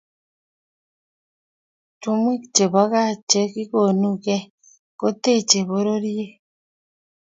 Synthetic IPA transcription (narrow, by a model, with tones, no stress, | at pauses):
tu˦mwi˦kt͡ʃe˨βɔ˦ɣa˦˨t͡ʃe˦ki˦ko˨nu˦kɛ˦ | ko˦te˦˨t͡ʃe˨βo˦ɾo˦ɾi˦e˦